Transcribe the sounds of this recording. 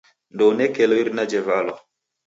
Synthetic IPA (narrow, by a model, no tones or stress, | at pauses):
ndonɛkɛlɔiɾnad͡ʒɛvalɔ